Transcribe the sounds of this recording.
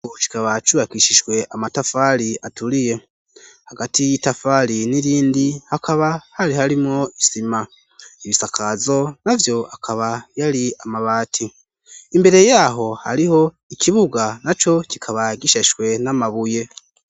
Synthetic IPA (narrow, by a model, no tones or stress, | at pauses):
oci̥kaβat͡ʃuβakiʃiʒwe̞ʔamatafaɾiatuɾije̞ | haɡatijitafaliniɾiːndihakaβahaɾihaɾimŋo̞isima | iβisakʰazo̞navjo̞akʰaβajaɾiamaβaːtʰi | imbe̞ɾe̞jaːɦo̞ha̰ɾiho̞ | ikʰiβuɡanat͡ʃo̞cikʰaβaɡiʃeʒɡwe̞namaβuje̞